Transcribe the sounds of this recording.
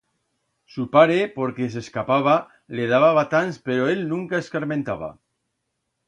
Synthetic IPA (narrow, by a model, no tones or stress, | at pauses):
supaɾepo̞ɾkes̬eskapaβ̞a | leð̞aβ̞aβat̪anspeɾoe̞lnũŋkaeskaɾmẽnt̪aβ̞a̰